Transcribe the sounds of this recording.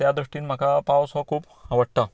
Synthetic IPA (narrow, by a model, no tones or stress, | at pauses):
t̪jad̪ɾuʂʈiːnm̤akapawsʋɔkʰuːp | aʋəɽt̪a